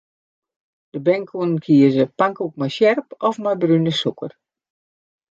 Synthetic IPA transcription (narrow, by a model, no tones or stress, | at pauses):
d̥əbɛŋkʰunnkʰiəzəpaŋkuk̚majsjɛrpɔfmajbrynəsukər